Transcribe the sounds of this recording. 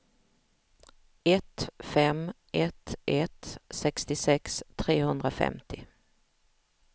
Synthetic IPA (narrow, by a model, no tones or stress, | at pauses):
ɛt̪fɛm | ʔɛt̪ʔɛt̪sɛkst̪ɪsɛkst̪ʰɾeːhɵnd̪ɾafɛ̰mt̪ɪ